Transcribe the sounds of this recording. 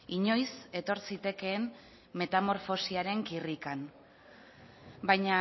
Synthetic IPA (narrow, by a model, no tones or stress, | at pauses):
iɲo̞jse̞t̪o̞ɾsit̪e̞ke̞ːm | me̞t̪amo̞ɾfo̞siaɾe̞ŋkirikan | bajɲa